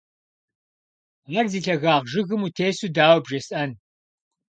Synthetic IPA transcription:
ʁɐrziːɬɐɣaːʁʒɨɣɨmutʰeːsudaːwbʒɐsʼʔɐn

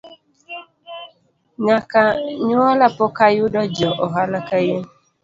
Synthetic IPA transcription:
ɲakaɲʊɔlapʊkajʊdɔd͡ʒɔʔɔɦalakaje

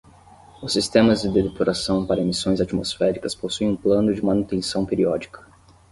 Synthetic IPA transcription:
ʊsːist̪ẽmɐzd͡ʒɪd̪ed̪epoɾasɐ̃w̃paɾɐemisõj̃zat͡ʃimosfɛɾikɐsposuẽũplɐ̃nʊd͡ʒɪmanut̪ẽsɐ̃w̃peɾiɔd͡ʒikɐ̥

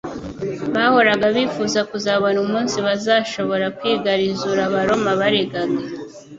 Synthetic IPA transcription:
βaho̞ɾaɡaβifuːzakuzaβonumuːnsiβazaʃo̞βo̞ɾakwiːɡaɾizuɾaβaɾo̞maβaɾeɡaɡa

